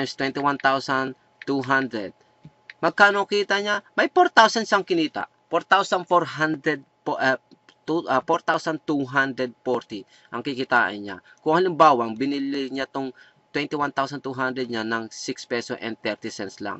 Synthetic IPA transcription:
nst̪wɛnt̪ɪwant̪awsɐn | t̪uɦand̪ɾɛd̪̚ | mɐɡ̚kaːnokiːt̪ɐɲamɐjpoɾt̪awsɐnʃaɐŋkɪniːt̪a̰ʔpoɾt̪awsɐnfoɹɦand̪ɾɛd̪̚pʔ | t̪ufoɾt̪awsɐnt̪uɦand̪ɾɛd̪̚poɾt̪i | ʔɐŋkɪkɪt̪aːʔɪ̰nɲa̰ | kʊŋhɐlɪmbaːwaŋbɪnilɪɲat̪oŋ | t̪wɛnt̪ɪwant̪awsɐnt̪uɦand̪ɾɛd̪̚ɲanɐŋsikspɛsosʔɛ̰nt̪ɛɹt̪ɪsɛnsla̰ŋ

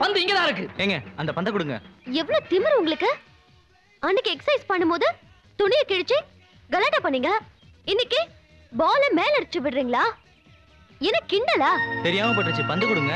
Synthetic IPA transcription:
pɐnd̪ɯɪŋɡed̪ãɪɾɯkːɯeŋɡɐɐnd̪ɐpɐnd̪ɐkʊɽɯŋɡɐ̰ɛʋːɐɭoːt̪ɪmɪɾʊŋɡɐɭɯkːɯ | ɐnːɪkːɯɛksɐɪspɐɳːɯmpoːðɯ | t̪ʊɳɪjɐkɪɽɯt͡ʃːɯ | ɡɐlɐʈːaːpɐɳːiːŋɡɐ | ɪnːɪkːe | baːlɐmeːlɐɾt͡ʃːɯʋɪɽɾiːŋɡɐɭaː | ɛnɐkːɪɳɖɐlaːt̪ɛɾɪjaːmɐp̬oʈːɯt͡ʃːɯpɐnd̪ɯkʊɽɯŋɡɐ

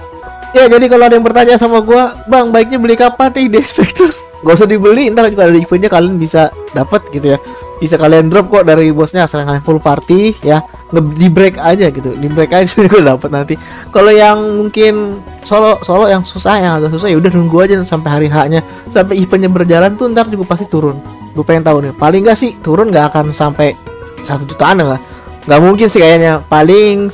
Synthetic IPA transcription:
jad͡ʒadikaloadajaŋpərt̪aɲasamaɡuabaŋbaɪk̚ɲabəlikapat̪ɪhdiɛkspɛk̚t̪ər | ɡaus̬ɔhdibəlint̪aɾad͡ʒuɡadadiifənɲakaliənbisadapət̪̚ɡit̪ujabis̬akaliəndɾɔp̚kɔʔdaɾibɔsɲaːsaaŋalinfulupart̪ija | ŋədibɾɛkad͡ʒaɡit̪udibɾekad͡ʒaɡuadapət̪̚nant̪i | kalojaŋmuŋkɪn | solɔsolɔjaŋsusahjaŋatas̬us̬ahjaudahnuŋɡuad͡ʒasampajɦaɾiɦaʔɲa | sampaipəɲabərd͡ʒalant̪uənt̪ard͡ʒuɡapast̪it̪uɾʊn | bupajaŋt̪aʊnpalɪŋɡaʔsɪht̪uɾʊnɡaːkansampajsat̪ut̪ut̪aːnaŋɡaʔ | ŋɡaʔmuŋkɪnsɪhkajaʔɲapalɪŋŋ

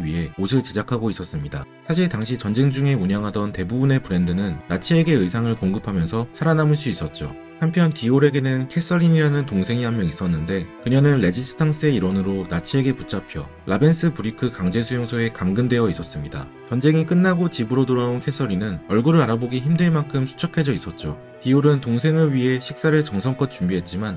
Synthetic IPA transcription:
iɥiɦe̞osʰɯɭt͡ɕe̞d͡ʑakʰaɡois͈ʌs͈ɯmɲida̰ | sʰaɕ̬ʰiɭtaŋɕ̬ʰit͡ɕʌnd͡ʑe̞ŋd͡ʑuŋe̞uɲaŋɦadʌnte̞bubune̞pɯɾe̞ndɯnɯnːat͡ɕʰieɡe̞ɯjsʰaŋɯɭkoŋɡɯpʰamjʌnsʰʌsʰaɾanamɯɭs͈uis͈ʌt̚t͡ɕ͈o̰ | hampʰjʌntioɾe̞ɡe̞nɯnkʰe̞s͈ʰʌɾiɲiɾanɯntoŋsʰe̞ŋiɦamːjʌŋis͈ʌnːɯnde̞kɯɲʌnɯnɭe̞d͡ʑis͈ʰɯ̥tʰaŋs͈ʰɯe̞iɾwʌnɯɾonat͡ɕʰie̞ɡeput͡ɕ͈ʰapʰjʌ̰ | ʔabe̞ns͈ʰɯpuɾikʰɯkaŋd͡ʑe̞sʰujoŋsʰoe̞kamɡɯnde̞jʌis͈ʌs͈ɯmɲida̰ | t͡ɕʌnd͡ʑe̞ŋik͈ɯnːaɡot͡ɕibɯɾotoɾaunkʰe̞s͈ʰʌɾinɯnʌɭɡuɾɯɭaɾaboɡiçimdɯɭmaŋkʰɯmsʰu̥t͡ɕʰʌkʰe̞d͡ʑʌis͈ʌt̚t͡ɕ͈o | tioɾɯntoŋsʰe̞ŋɯɭɥiɦe̞ɕʰik̚s͈aɾɯɭt͡ɕʌŋsʰʌŋk͈ʌt̚t͡ɕ͈umbiɦe̞t̚t͡ɕ͈iman

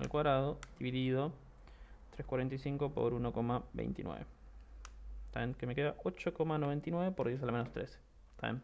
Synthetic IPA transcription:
ḛlkwaðɾaðod̥̪iβiðiðo̞ | t̪ɾeskwaɾe̞nt̪aisiŋko̞po̞̰ɾuno̞ko̞maβḛjnt̪ḭnwḛβe | t̪aenkemekeðaʔo̞t͡ʃoko̞manoβ̞e̞nt̪inweβe̞poɾðjes̬almenost̪ɾes | t̪a̰ḛn

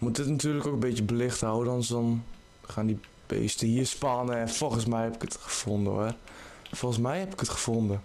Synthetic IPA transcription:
mut̚dɪtnatyːrləkokəbɪtjəbəlɪxthawədɔnsɔn | xaːndi | b̥ḛːstəhiəspanəɛnfolˠxəsmɛjhɛpɪ̥kətxə̥fondəəfolˠxəsmɛjhɛpɪ̥kətxə̥fondə

